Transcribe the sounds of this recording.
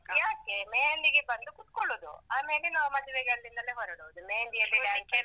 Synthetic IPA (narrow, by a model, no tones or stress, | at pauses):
jaːkːemejɐnd̪iɡebɐnd̪ukut̪̚koɭud̪ṵaːmeːlenaːʋɐmɐd̪ɛʋeɡeɐlːind̪ɐleɦɔɾɐɽuʋud̪umeːjɐnd̪ijɐlujaːke